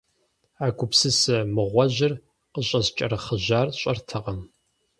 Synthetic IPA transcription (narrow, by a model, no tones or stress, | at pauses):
aːɡʷʊpsɨsɐmɨʁʷɔʑɪr | qəɕʼɐzt͡ʃʼɐɾɨχəʑaːrɕʼɐrtʰɐʁɐm